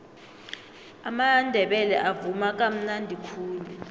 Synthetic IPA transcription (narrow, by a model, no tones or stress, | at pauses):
amandʱɛɓɛlɛ̰ʔavumak̬ʼam̩nandʱikʰuːlɛ